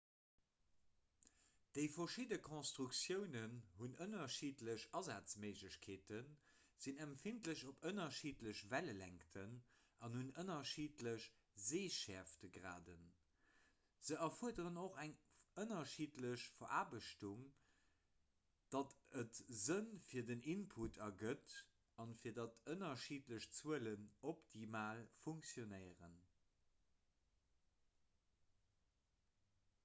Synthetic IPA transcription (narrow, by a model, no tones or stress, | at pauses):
d̥əɪfɐʃidəkʰõnstʁuksjəʊnənhunənɐʃiːtləɕɑzaːt͡smeɪʒləɕkʰeːtən | z̥inæmfintləɕopənɐʃiːtləɕvæləlæŋktʰən | ɑnhunənɐʃiːtləɕ | zeːʃɛɐftəɡʁa̰ːdən | z̥əʔɐfuədəʁənoχæŋənɐʃiːtləɕfɐʔaːbəʃtuŋ | d̥ɑtətzənfiːɐdəninpʰutʰɐɡət | ɑnfiːɐdɑtʰənɐʃiːtləɕt͡suələnoptʰimaːlfuŋksjonəɪəʁə̰n